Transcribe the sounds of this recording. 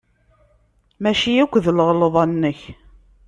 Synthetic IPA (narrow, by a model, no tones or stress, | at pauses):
mæʃijækʷːðələʁləðˤɑnːəç